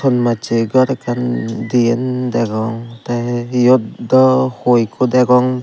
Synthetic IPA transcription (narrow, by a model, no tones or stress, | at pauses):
ɔnmat͡ʃeɡaɾakandiendaɡɔŋtajɔtdɔhojkʰɔdaɡɔŋ